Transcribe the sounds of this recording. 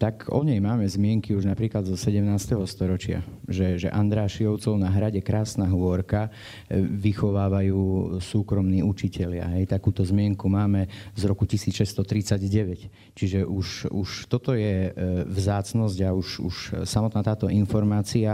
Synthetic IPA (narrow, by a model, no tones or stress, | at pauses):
t̪akɔ̰ɲɛjmaːmɛzmɪɛŋkiuʒnapɾiːklad̪zɔsɛɟɛmnaːst̪ɛɦɔst̪ɔɾɔt͡ʃɪa̰ʒɛʒɛ̰ʔand̪ɾaːʃiɔʊt͡sɔʊnaɦɾaɟɛkɾaːsnaɦʋɔɾka | ʋixɔʋaːʋajuːsuːkɾɔmniːut͡ʃicɛʎɪa̰ɦɛjt̪akuːt̪ɔzmɪɛŋkumaːmɛzɾɔkucisiːt͡sʃɛst̪ɔt̪ɾit͡saɟɟɛʋɛc | t͡ʃiʒɛʔuʃuʃt̪ɔt̪ɔjɛvzaːt͡snɔzɟauʃṵʃsamɔt̪naːt̪aːt̪ɔinfɔɾmaːt͡sia